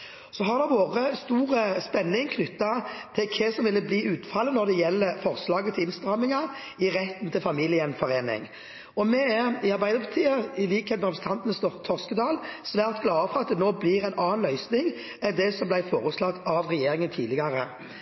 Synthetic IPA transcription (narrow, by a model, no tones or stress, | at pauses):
sɔɦɑʁd̪ɛʋoːʁəst̪uːʁəspɛnːɪŋkʰnʏt̪ːɑt̪ʰɪlkʰɛsɔmʋɪlːəbliːʉːt̪fɑlːənɔʁd̪ɛjɛlːəfɔʁslɑːɡət̪ʰɪlɪnst̪ʁɑmːɪŋɑ | ɪɾɛt̪ːn̩t̪ʰɪlfɑmilɪənfɔʁeːnɪ̰ŋ | ɔmɛæɪɑɾbæɪd̪əɾpʰɑt̪ʰiːəɪliːkheːt̪mɛʁɑpɾəsət̪ɑnt̪ənəst̪ɔt̪ʰɔʁskəd̪ɑːlsʋæːʁt̪ɡlɑːəfɔɾʁɑt̪̚d̪ɛnoːbliːʁɛɪnʔɑːnlœʏsnɪŋ | ɛd̪ɛsɔmblæɪfoːɾəslɑɡ̪ɑʋʁɛjeːɾɪŋənt̪ʰiːlɪɡɑʁə